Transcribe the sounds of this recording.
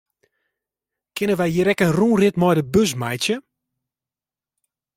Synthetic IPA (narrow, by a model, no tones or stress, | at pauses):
kʰɪnəʋɛjjiɾɛkənruːrɪtmɔjdəbøs̬majtjə